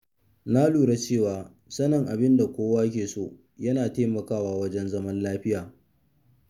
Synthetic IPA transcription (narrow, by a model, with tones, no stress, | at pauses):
na˦luː˨ɽa˦t͡ʃeː˦˨waː˨ | sɐ˦nɐ˨ŋʔa˨bɪ˦nda˨kʷoː˦waː˦k̬ʲeː˨so̰ː˦ | jɐ˦naː˨teː˦mɐ˨kaː˦waː˦wɐ˦d͡ʒɛ˦nzɐ˦mɐ˦nlaː˦ɸɪ˦jaː˨